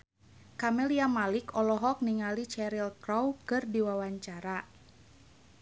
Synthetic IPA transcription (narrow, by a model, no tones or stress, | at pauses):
kamɛliamalikɔlɔɦɔk̚niŋalit͡ʃɛɾilkɾɔwkɨrdiwawaɲt͡ʃaɾa